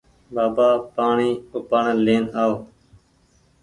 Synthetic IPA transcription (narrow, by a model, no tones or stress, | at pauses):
baːbaːpaːɳiːʊpəɳleːnaːoː